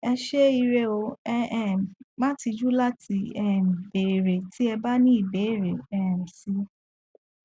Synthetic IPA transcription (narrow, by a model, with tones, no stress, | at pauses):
ɛ˧ʃe˦i˧ɾe˦o˧˦ɛ˦˨mã˦ti˧d͡ʒu˦la˦ti˧˦ɛ˦˨be˨ɾe˨tʰi˨˦ɛ˧ba˦nĩ˦i˦˨be˨˦i˦˨ɾe˨ɛ̃˦˨si˦